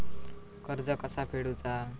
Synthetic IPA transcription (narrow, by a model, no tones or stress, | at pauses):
kəɾd͡zəkəsapʰeɽut͡sa